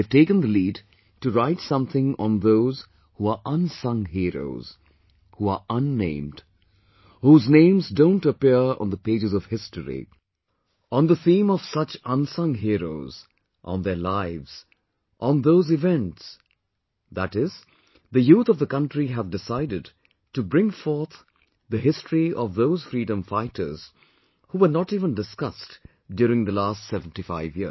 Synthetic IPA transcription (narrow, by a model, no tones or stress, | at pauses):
v̥teɪkə̃nd̪əlid | tɨɹaɪtsʌ̃mθɪ̃ŋə̃nðoʊz̥ | huəʔʌ̃nsʌ̃ŋɦiɹo̰ʊz̥ | huəʔə̃nːḛ̃ɪ̃md̥ | huznẽɪ̃mzdõʊ̃ntəpiɹə̰̃nðəpeɪd͡ʒɨzʌv̥hɪstəɹḭ | ə̃nðəθĩːmɔv̥sʌt͡ʃʌ̃nsʌ̃ŋɦiɹo̰ʊz̥ | ʔə̰̃nðə˞laɪvz̥ | ʔə̃nðoʊzɨvɛ̃nts | ðætɪz | ðɨjuːt̪ʌvðəkʌ̃ntɹiɦævdɪsaɪdɨd̚ | tubɾɪ̃ŋfɔɹt̪ | ðəɦɪstɹiʔɔvðoʊz̥fɾiːdə̃mfaɪtʰə̰˞z̥ | huʋə˞nɔʈiːvə̃ndɨskʌst | djʊɾɪ̃ŋðəlæːstsɛṽn̩tifaɪvji